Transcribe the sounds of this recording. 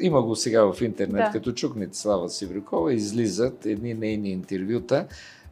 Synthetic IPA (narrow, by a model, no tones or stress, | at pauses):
imɐɡosɛɡavɐfint̪ɛɾnɛɛt̪kɐt̪ɔt͡ʃuknit̪slˠavɐsivɾikɔvˠɐizlizət̪ɛd̪ninɛjniːnt̪ɛɾvʲjut̪ə